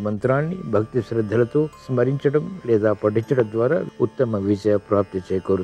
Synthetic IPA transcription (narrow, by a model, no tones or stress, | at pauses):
mɐnt̪ɾaːɳːibʱɐkt̪isɾɐd̪ʱːɐlɐt̪oːsmɐɾiɲt͡ʃɐʈɐmleːd̪aːpɐʈiɲt͡ʃɐʈɐd̪ʋaːɾa̰ːut̪ːɐmɐʋit͡ʃɐjɐpɾaːp̚t̪it͡ʃɐjkɐɾu